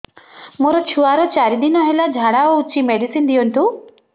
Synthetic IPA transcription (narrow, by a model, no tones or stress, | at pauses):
moɾɔt͡ʃʰuaɾɔt͡ʃaɾid̪inɔɦelad͡ʒʱaɽaɔut͡ʃimeɽisind̪iɔnt̪u